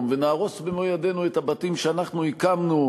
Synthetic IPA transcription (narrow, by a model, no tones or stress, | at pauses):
mvenaːʁo̞sbemojade̞nuet̪abatimʃeanaχnuikamnu